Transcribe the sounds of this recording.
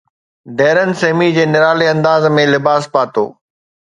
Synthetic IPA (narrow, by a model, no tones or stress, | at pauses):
ɖɛːɾənɪ̆seɦmid͡ʑeːnɪɾaːleɐ̃nd̪aːzmẽlɪbaːspaːt̪o̰ː